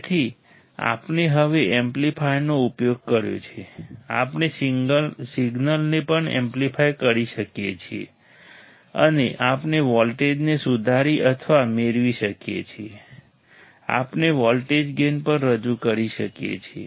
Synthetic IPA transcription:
t̪ʰi | a̰pneɦəʋeʔemplipʰajnoupjoɡ̚kəɾjo̰t͡ʃʰea̰pne | siɡnəlnepəɳḛ̃mplipʰajkəɾiʃəkjet͡ʃʰiḛ | ə̰neʔapneʋɔlʈed͡ʒnesud̪ʱaɾiʔət̪ʰʋameɾʋiʃəkjḛt͡ʃʰie | a̰pneʋɔlʈed͡ʒɡenpəɳɾəd͡ʒukəɾiʃəkjḛt͡ʃʰiḛ

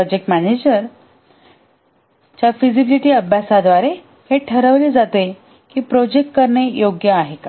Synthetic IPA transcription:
ɔd͡ʑek̚ʈmæned͡ʑəɾ | t͡ɕjafizibiliʈiːəbʱjasad̪ʋaɾe | heʈʰəɾəʋleːd͡zat̪e | kiːpɾɔd͡ʑek̚ʈ̚kəɾɳejoɡjəaɦekḁ

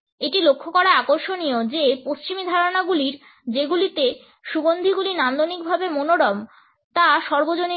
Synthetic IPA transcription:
eʈilokʰːokɔɾaakoɾʃoniod͡ʑepost͡ɕimid̪ʱaɾonaɡuliɾ | d͡ʑeɡulit̪e | ʃuɡond̪ʱiɡulinand̪onik̚bʱabemonoɽɔm | t̪aʃɔɾbod͡ʑoni

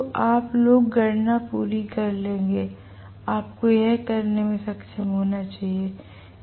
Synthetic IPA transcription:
ʔaːploːɡːɐɾnapuːɾikɐɾlẽːŋɡeː | aːp̚kojɛɦkɐɾnemẽsɐkʃəmɦoːnat͡ʃaːɦie

